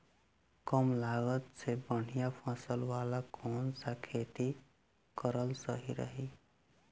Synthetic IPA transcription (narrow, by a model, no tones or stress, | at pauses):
kəmlaɡət̪sʰebəɽ̤ijapʰasəlwalakʰonsakʰet̪i | kəɾəlsəɦiɾə̰ɦi